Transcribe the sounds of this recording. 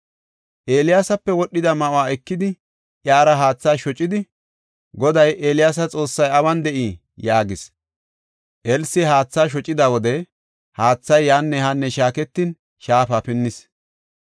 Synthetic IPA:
ʔe̞ːlɪjaːsɐpːɛwɔɗːɪd̪ɐmɐʔʊaːɛkːɪd̪ɪ | ʔjaːɾɐɦaːt͡sːaːʃɔt͡ʃʼːɪd̪ɪ | ɡɔd̪ɐjʔeːlɪjaːs̬ɐt͡sʼo̞ːsːɐjɐbɐnd̪ɛʔiː | jaːɡɪs | ʔɛlsɪɦaːt͡sːaːʃ̬ɔt͡ʃʼːɪd̪awɔd̪ɛ | haːt͡sːɐjːanːɛhɐnːɛʃaːkɛt̪ːin | ʃaːfapɪnːɪs

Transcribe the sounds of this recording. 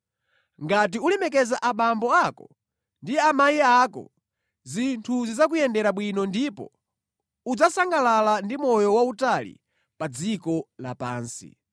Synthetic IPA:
ŋɡat̬iulɛmɛk̬ɛzaʔaɓambɔakɔ | ndiamajiakɔ̰ | zintʰuzizak̬ujɛndɛɾaɓwinɔndipɔ̰ | ud͡zasaŋɡalalandimɔjɔwautalḭ | pad͡zikɔlapa̰ːnsḭ

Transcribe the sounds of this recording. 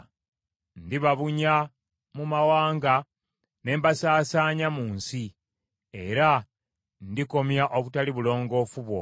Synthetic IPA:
ndiβaβuɲa | mumawaːŋɡa | ne̞ːmbasaːsaːɲamuːnsi | e̞ɾa | ndiko̞mjaʔoβutaliβulo̞ːŋɡo̞fuβwo̞̰

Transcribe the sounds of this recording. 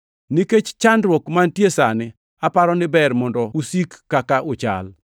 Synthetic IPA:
niket͡ʃt͡ʃandɾwɔkmantjesanɪ | apaɾɔnɪbɛrmɔndɔusikːakaʔʊt͡ʃa̰l

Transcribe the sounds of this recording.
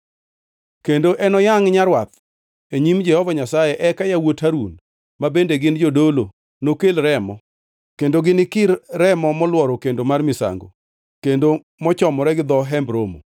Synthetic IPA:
kendoʔɛnɔjaŋɲaɾwat̪̚ | eɲimd͡ʒɛhɔvaɲasajɛʔɛkajawothaɾṵn | mabendeɡɪnd͡ʒodolo | nokelɾɛmɔ | kendoɡɪnɪkɪɾːɛmɔmɔlwɔɾɔkendomarmɪsa̰ŋɡo̰ | kendo | mɔt͡ʃɔmɔɾɛɡɪd̪ɔɦɛmbɾomo̰

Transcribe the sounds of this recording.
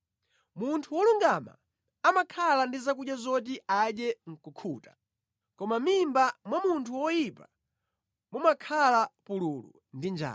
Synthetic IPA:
muntʰuwɔluŋɡama̰ | amakʰalandizakuɗjazɔt̬iaɗɛŋ̩kukʰuːtḁ | kɔmamimbamwamuntʰuwɔjipa | mumakʰalapululṵ | ndind͡ʒa̰ː

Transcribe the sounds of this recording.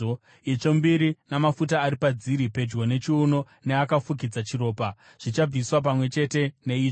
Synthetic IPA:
it͡ʂo̞mbiɾinamafutaːɾipad͡ziɾipe̞d͡ʒɡo̞ne̞t͡ʃiuno̞ | ne̞akafuk̬id͡zat͡ʃiro̞ːpa | ʐ̥it͡ʃab͡viswap̬amwe̞t͡ʃe̞te̞ne̞iːʐ

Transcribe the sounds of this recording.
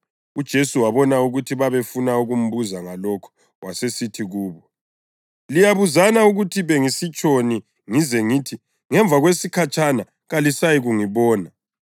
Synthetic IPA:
ud̥ʒ̥ʱesuwaβɔnauɣutʰiβaβefunauɣum̩βuzaŋalɔkʰɔ̥ | wasesitʰiɣuːβɔ | lijaβuzanauɣutʰiβeŋisit͡ʃʼoni | ŋizɛŋitʰi | ŋɛɱbvʱaɣwesikʰat͡ʃʼana | ɣalisajiɣuŋiβɔːna

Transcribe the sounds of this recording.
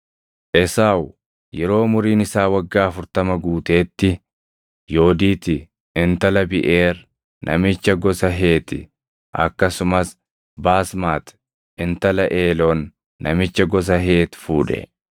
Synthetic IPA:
ʔɛsaːw | jɛɾo̞ːmʊɾiːnɪsaːwɐɡːaːɐfʊɾt̪ɐmɐɡuːt̪e̞ːt̪ːɪ | jo̞ːd̪iːt̪ɪ | ɪnt̪ɐlɐbɪʔe̞ːɾ | nʔɐ̰mɪt͡ʃːɐɡɔsɐɦe̞ːt̪ɪ̰ | ʔɐ̰kːɐsʊmɐs | baːsmaːt̪ | ɪnt̪ɐlɐʔeːlɔnː | ɐ̰mɪt͡ʃːɐɡɔs̬ɐɦe̞ːt̪fuːᶑɛ̰

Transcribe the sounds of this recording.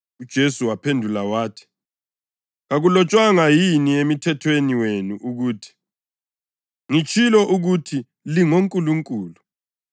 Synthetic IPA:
ud̥ʒ̥ʱesuwapʰendʱulawaːtʰi̥ | ɣaɣulɔt͡ʃʼwaŋajiniemitʰɛtʰweniwenuʔuɣuːtʰi̥ | ŋit͡ʃʰʼilɔʔuɣutʰi | liŋoŋkʼuluŋkʼuːlu

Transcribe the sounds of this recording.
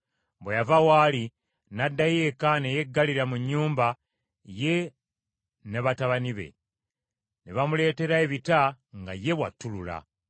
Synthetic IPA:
bwejavawali | nadːajekane̞je̞ɡːaliɾamuɲːuːmba | je̞ | neβataβaniβe̞̰ | neβamule̞ːte̞ɾaeβitaŋɡa̰je̞βwa̰tːulula̰

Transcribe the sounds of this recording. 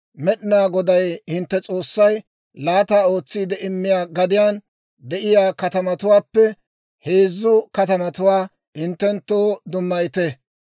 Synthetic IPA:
mɛɗɪnaːɡɔd̪ɐjhɪnt̪ːɛt͡sʼo̞ːsːɐj | laːt̪aːo̞ːt͡sːiːd̪ɛʔɪmːɪjaːɡɐd̪ɪjaːn | d̪ɛʔɪjaːkɐt̪ɐmɐt̪ʊwaːpːɛ | he̞ːzːʊkɐt̪ɐmɐt̪ʊwaː | hɪnt̪ːɛnt̪ːoːd̪ʊmːɐjɪt̪ɛ

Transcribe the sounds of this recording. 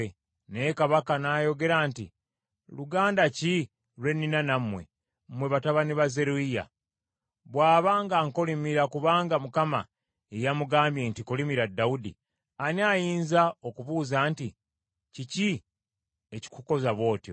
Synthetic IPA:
nekaβakanaːjo̞ɡe̞ɾantḭ | luɡaːndaci | lwe̞nːinanamwe̞̰ | mwe̞βataβaniβaze̞ɾuija̰ | βwaːβaːŋɡaŋkolimiɾakuβaːŋɡamukama̰ | ejamuɡaːmbje̞ntikolimiɾadaudḭ | aniajiːnzaokuβuːzaːnti | cici | eci̥kuko̞zaβo̞ːtjo̞

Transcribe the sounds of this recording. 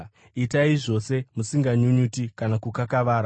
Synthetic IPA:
itaiʐo̞se̞musiŋɡaɲuɲutikanakukakaʋaːɾa

